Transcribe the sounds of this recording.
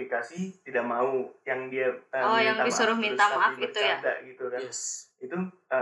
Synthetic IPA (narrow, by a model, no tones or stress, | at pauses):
ikasit̪idaʔmaujaŋdiaəɔjaŋabisuɾʊhmint̪amaafɡit̪ujada̰ʔɡit̪ukait̪uə